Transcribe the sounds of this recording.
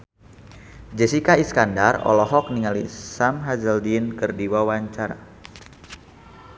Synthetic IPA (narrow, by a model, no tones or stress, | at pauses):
d͡ʒɛsikaiskandarɔ̰lɔɦɔk̚niŋalḭsamɦazəldinkərdiwawaɲt͡ʃaɾa̰